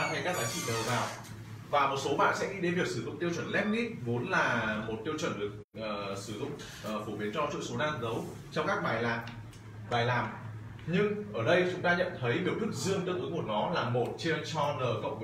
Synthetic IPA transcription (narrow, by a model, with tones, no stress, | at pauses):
ə˨˩kaː˦˥k̚zaː˨˦ŋt͡ɕḭ˧˨əː˨˩vaː˨˩w | vaː˨˩mo˨˩t̚so˨˦ɓa̰ː˧˨nsɛ̰˧˥ŋḭ˧˥ɗe˨˦nvi˨˩ək̚sɨ˧˩zʊ̰˧˨ŋ͡mt̪i˧əwt͡ɕwə˧˩nlɛ˦˥k̚ni˦˥k̚vo˨˦nlaː˨˩mo˨˩t̚t̪i˧əwt͡ɕwə˧˩nɗɨ˨˩ək̚ʔəː˨˩sɨ˧˩zʊ̰˧˨ŋ͡m | ʔːfo˧˩ɓi˨˦ənt͡ɕɔ˧t͡ɕɨ̰˧˨so˨˦naː˧nzə˨˦w | t͡ɕɔ˧wŋ͡mkaː˦˥k̚ɓaː˨˩jlaː˨˩ | ɓaː˨˩jlaː˨˩m | ɲɨ˧ŋʔəː˧˩ɗə˧jt͡ɕʊ˨˦ŋ͡mt̪aː˧ɲə̰˧˨nt̪ʰə˨˦jni˨˩wɗɨ˦˥ək̚zɨ˧əŋɗɨ˧˥k̚ʔɨ˨˦mo˧˩nɔ˨˦laː˨˩mo˨˩t̚t͡ɕe˧t͡ɕɔ˧nəː˨˩kə̰˧˨wŋ͡mv